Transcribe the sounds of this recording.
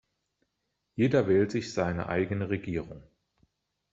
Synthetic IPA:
jeːdɐvɛːltz̥ɪçz̥aɪnə̰ʔa̰ɪɡənəʁeɡiːʁʊŋ

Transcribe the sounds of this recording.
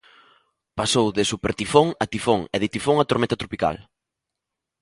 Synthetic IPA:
pasowðɪsupeɾt̪ifoŋat̪ifoŋɛðɪt̪ifoŋat̪oɾmɛ̃nt̪at̪ɾopika̰l

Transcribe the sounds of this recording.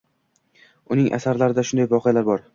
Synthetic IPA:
ʊnɪŋʔa̰saɾlaɾɪd̪aʃʊnd̪ajvɒqʰejalaɾbɒɾ

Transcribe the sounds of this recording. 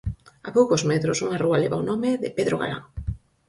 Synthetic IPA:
apowkozmɛt̪ɾosuŋarualeβaonɔmɪðɪ̰peðɾoɣa̰ɾa̰ŋ

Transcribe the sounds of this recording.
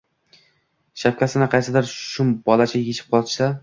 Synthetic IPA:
ʃap̚kʲʰasɪnɪqʰɑjsɪd̪aɾʃʊmbɒlˠat͡ʃʰajet͡ʃʰɪ̥p̚qʰɒlˠɪ̥ʃsa

